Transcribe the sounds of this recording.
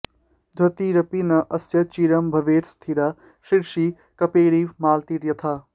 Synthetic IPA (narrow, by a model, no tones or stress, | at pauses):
d̪ʱɐt̪iɾɐpinɐʔɐsjɐt͡ʃiɾɐmbʱɐʋeːɾst̪ʰiɾaː | ʃiɾʃi | kɐpeːɾiːʋmaːlt̪iɾjɐt̪ʰaː